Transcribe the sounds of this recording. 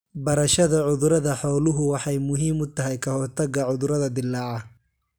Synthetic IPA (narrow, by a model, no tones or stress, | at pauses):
bɐɾɐʃɐðɐʕʊðʊɾɐðɐħɔːlʊɦʊwɑħɑjmʊɦiːmʊt̪ʰɐɦɛjkʰɐhɔrt̪ʰɐɡɐʕʊðʊɾɐðɐd̪ɪlːɑːʕɑ